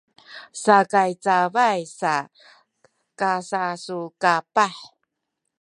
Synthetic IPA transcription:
sakajt͡savajsa | kasasukapaħ

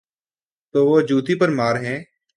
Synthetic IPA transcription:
t̪oːʋoːd͡ʒuːt̪iːpəɾmaːɾɦɛ̃ː

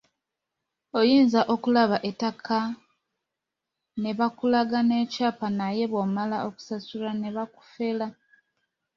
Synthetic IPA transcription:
ojiːnzaʔo̞kulaβaʔe̞takʰa | ne̞βakulaɡane̞ːcaːpanaje̞βomalaʔo̞ku̥sasulane̞βaku̥fe̞la

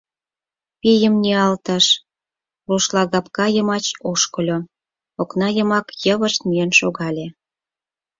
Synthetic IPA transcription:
pijəmnʲeɑlt̪əʃ | βuʃlɑɣɑpkɑjə̆mɑt͡ɕoʃkə̆lʲo | oknɑjə̆mɑkjəβəʃt̪̚mijenʃoɣɑlʲe

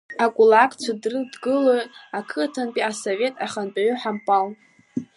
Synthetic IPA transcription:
akʷʼulakʼt͡ʃʷʰadrɨdɡɨlojtʼakʰɨtʰanpʼiasove̞tʼaχanpʼaʕʊħampʼal

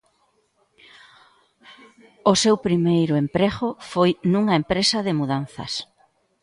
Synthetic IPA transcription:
ʊsewpɾimejɾʊempɾeɣʊfojnuŋɐempɾesɐðɪmuðan̟θɐ̰s

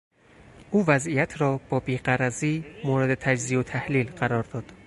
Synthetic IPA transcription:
ʔuːvæzijæt̪ʰɾɒːb̥ɒːbiːɢæɾæziːmoːɾed̪e̞t̪ʰæd͡ʒziːot̪ʰæhliːlɢæɾɒːɾd̪ɒːd̪̥

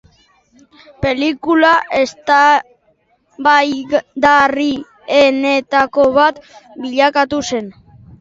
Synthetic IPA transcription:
pe̞likulaʔe̞st̪a | βajd̪ari | ene̞t̪ako̞βat̪biʎakat̪use̞n

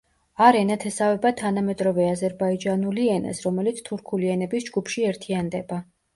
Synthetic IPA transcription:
aɾɛnat̪ʰɛsavɛbat̪ʰanamɛt̪ʼɾɔvɛazɛɾbaid͡ʒanuliɛnɛ̰sɾɔmɛlit̪sʰt̪ʰuɾkʰuliɛnɛbisd͡ʒɡupʰʃiɛɾt̪ʰiand̪ɛba

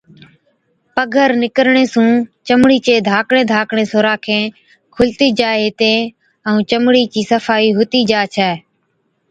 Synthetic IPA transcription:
pəɡʱəɾnɪkəɾɳeːsũːt͡ʃəmɽiːt͡ʃeːd̪ʱaːkɳẽːd̪ʱaːkɳeːsoːɾaːkʰẽː | kʰʊlt̪iːd͡ʒaːɪt̪ẽː | əũːt͡ʃəmɽiːt͡ʃiːsəfaːiːɦʊt̪iːd͡ʒaːt͡ʃʰɛː

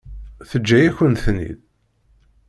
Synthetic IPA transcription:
θəd͡ʒːæjæçənθnḭð

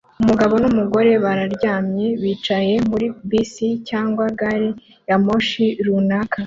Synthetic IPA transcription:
umuɡaβo̞numuɡo̞ɾe̞βaɾaɾɟaːmɲe̞βiːt͡ʃaje̞muɾibisicaːŋɡwaɡaɾe | jamo̞ʃiɾunaka

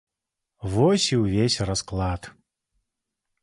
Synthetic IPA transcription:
vɔsʲiwvʲesʲrasklˠat̪

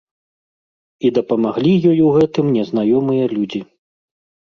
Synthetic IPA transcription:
id̪ɐpɐmaɣlʲijɔjuɣɛt̪ɨmnʲɛznajɔmɨjɐlʲud͡zʲi

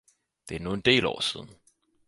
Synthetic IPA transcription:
d̥e̝æɐno̝ːn̩d̥e̝̰ːlɒ̰ːsiðˠn̩

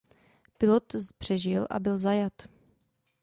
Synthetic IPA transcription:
pɪlot̪pr̝̥ɛʒɪlʔa̰bɪlzajat̪

